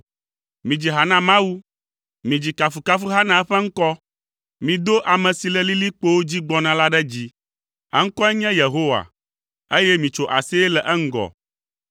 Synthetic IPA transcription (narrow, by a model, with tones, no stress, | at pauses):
mĩ˨d͡ʑi˨ɦa˨nã˦mã˦wu˦ | mĩ˨d͡ʑi˨ka˨fu˨ka˦fu˦ɦa˦nã˨ɛ˦ɸɛ˦ŋ̩˦kɔ˦ | mĩ˨d̪o˦ʔa˨mɛ̃˨si˨lɛ˨li˦li˦k͡po˦wo˦d͡ʑi˦ɡ͡bɔ˦nã˨la˦ɖɛ˦d͡ʑi˦ | ɛ̰˦ŋ̩˦kɔ˦ɛ˦ɲɛ̃˦je˨ɦo˦wa̰˨ | e˦jɛ˦mĩ˨t͡ʃo˨ʔa̰˨si˦ɛ˦lɛ˨ʔɛ˦ŋ̩˦ɡɔ̰˨